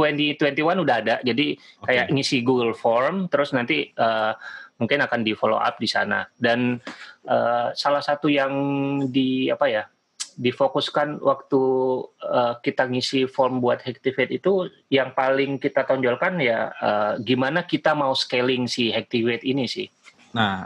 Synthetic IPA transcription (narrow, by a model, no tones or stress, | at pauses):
t̪wɛnt̪it̪wɛnt̪iwanudaɦadad͡ʒadikajakŋisiɡuɡəlfɔrmt̪əɾʊsnant̪iəːmuŋkɪnakandifolo̰ʔa̰p̚disa̰na̰danʔəːsalahsat̪ujaŋdiapaja | difokuskanwʔak̚t̪u | əkit̪aŋisifɔrmbuat̪̚hɛk̚t̪ifet̪it̪u | jaŋpalɪŋkit̪at̪ɔɲd͡ʒɔlkanjaəːɡimanakit̪amauskelɪŋsiɦɛk̚t̪ifet̪inisɪ̰h | na